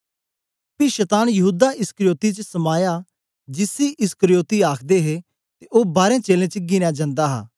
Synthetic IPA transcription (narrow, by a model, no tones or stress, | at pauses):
piʃət̪aːnjɐɦuːd̪aʔɪskəɾijoːt̪it͡ʃəsɐmaːja | d͡ʒɪsiʔɪskəɾijoːt̪iaːkʰd̪eɦeː | t̪eʔoːbaːɾẽːt͡ʃeːlẽːt͡ʃəɡɪnjaːd͡ʒãːnd̪aːɦa̰ː